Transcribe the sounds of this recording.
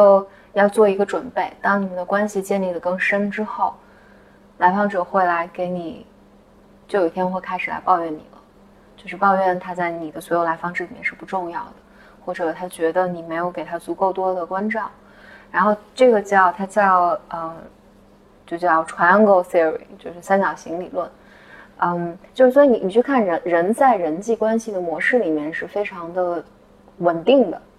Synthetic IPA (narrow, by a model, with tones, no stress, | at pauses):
o˥˧ʊ | jɑ˥˧ʊt͡swɔ˥˩i˧˥ɡə˧ʈ͡ʂwə˨˩npe˥˩ɪt̪ɑ˥ŋni˨˩mə˦nd̪ə˧kwa˥nɕi˨t͡ɕjɛ˥˧nli˥˩lə˩kɤ˥˩ŋʂə˥nʈ͡ʂɻ̩˥xo˥˩ʊ | la˧˥ɪfɑ˥ŋʈ͡ʂɤ˨˩xwe˥˩ɪla˧˥ɪke˧˥ɪni˨˩ | t͡ɕjo˥˩ʊjo˨˩i˥˩t̪ʰjɛ˥n˥xwe˥˧ɪkʰa˥ɪʂɻ̩˨˩la̰˧˥pɑ˥˧ʊɥɛ˥˩nnḭ˨˩lə̰˦ | t͡ɕjo˥˧ʊʂɻ̩˥˧pɑ˥˧ʊɥɛ˥˩nt̪ʰa˥t͡sa˥˩ɪni˨˩d̪ə˦swɔ˧˥jo˧˩ʊla˧˥ɪfɑ˥ŋʈ͡ʂ̩˥˩˨mjɛ˥nʂɻ̩˥˩pu˧˩ʈ͡ʂʊ˥˧ŋjɑ˥˩ʊd̪ə˩ | xwɔ˥˩ʈ͡ʂɤ˨˩t̪ʰa˥t͡ɕɥɛ˧˥d̪ə˧ni˨˩me˧˥ɪjo˧˥ʊke˨˩ɪt̪ʰa˥t͡su˧˥ko˥˧ʊt̪wɔ˥d̪ə˨kwa˥nʈ͡ʂɑ˥˩ʊ | ɻa˧˥nxo˥˧ʊʈ͡ʂɤ˥˩ɡə˩t͡ɕjɑ˥˩ʊt̪ʰa˥t͡ɕjɑ˥˧ʊə˧˩ | t͡ɕjo˥˧ʊt͡ɕjɑ˥˩ʊʈ͡ʂʰwa˧˥n˥ŋɡo˥˧ʊsɛ˥ɹḭ˨˩t͡ɕjo˥˧ʊʂɻ̩˥˩sa˥nɕjɑ˨˩ʊɕi˧˥ŋli˨˩lwə˥˩n | ə˥˩mt͡ɕjo˥˧ʊʂ̩˥˩wɔ˧˥i˥˩n˧˩ni˨˩t͡ɕʰy˥˧kʰa˥˩nɻə˧˥nɻə˧˥nt͡sa˥˩ɪɻə˧˥nt͡ɕi˥˩kwa˥nɕi˨˩d̪ə˩mwɔ˧˥ʂɻ̩˥˩li˨˩mjɛ˥˧nʂɻ̩˥˩fe˥ɪʈ͡ʂʰɑ˧˥ŋd̪ə˧ | wə˨˩nt̪i˥˩ŋd̪ə̰˩